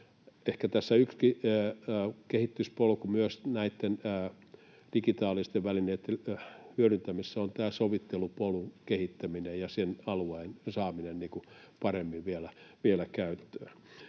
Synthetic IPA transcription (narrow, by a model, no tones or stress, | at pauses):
ehkæt̪æsːæykski | kehit̪ːyspolkumyøsnæit̪ːenː | d̥ikit̪ɑːlist̪eʋʋælineit̪ːehyøɾynt̪æmisːæont̪æːsoʋit̪ːelupolukehit̪ːæminejjɑsenɑluɑinsɑːminenniːku | pɑremːiʋʋielæʋielækæyt̪ːø̥ː